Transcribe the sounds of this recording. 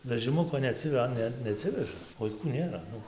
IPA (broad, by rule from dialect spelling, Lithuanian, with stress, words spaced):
ʋʲɛʒʲɪˈmʊkoː nʲɛɐˈt͡sʲɪ ˈɐ ˈnʲɛ nʲɛˈɑːtʲsʲɪʋʲɛʒɐ ʋɐɪˈkuː ˈnʲeːrɐ ˈnʊ